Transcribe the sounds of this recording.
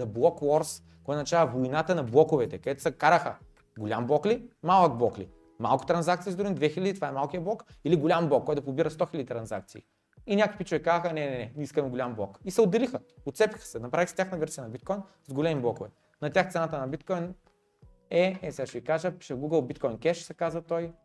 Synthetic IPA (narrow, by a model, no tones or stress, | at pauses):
zɐblˠɔkwɔɾs | kɔjt̪nɐt͡ʃavɐvojnat̪ənɐblˠɔkʊvɛt̪ɛkɐd̪ɛt̪ʊ̥sɐkaɾəxə | ɡolʲamblˠɔklimalˠək̚blˠɔkli | ma̰lˠkʊ̥t̪ɾɐnzak̚t̪siːzd̪ɾuind̪vɛxilʲɐd̪ʲit̪ovaɛmalˠkijəblˠɔkiliɡolʲamblˠɔkːɔjt̪ɐpʊbiɾəst̪ɔxilʲɐd̪it̪ɾɐnzak̚t̪sḭː | inʲakvikpit͡ʃʊvɛkazəxənɛnɛnɛnʲiskɐmɛɡolʲamblˠɔkisɛʊd̪ːɛlixəot̪sɛpʲi̥xə̥sɛnɐpɾavixsɛtʲaxnɐvɛɾsijɐnɐbit̪kɔjn | zɡolʲɛmiblˠɔkʊvɛ | nɐt̪ʲaxt̪sɛnat̪ənɐbit̪kɔjn | ɛɛsɛaʃvikaʒəpi̥ʃəɡuɡəlˠbit̪̚kɔjnkɛʃsɛkazət̪ɔj